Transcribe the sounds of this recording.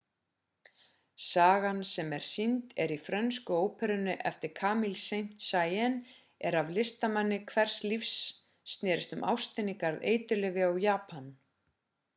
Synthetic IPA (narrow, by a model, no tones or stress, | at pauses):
saːɣansɛmɛɾ̥sint̪ɛɾifɾœnskʏoːwpʰɛɾʏnːʏʔɛft̪ɪɾ̥kʰaːmilsejn̥t̪saːjɛn | ɛɾavlɪst̪amanːɪkʰvɛr̥slifsː | t̪nɛːɾɪst̪ʏmʔa̰wst̪ɪnikaɾðḛːjt̪ʏlɛːvɪawjaːpan